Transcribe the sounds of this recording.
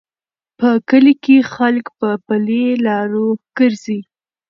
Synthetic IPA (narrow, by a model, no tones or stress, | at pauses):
pəkəlikexalkpəpəlelɑɾoɡ̥əɾzi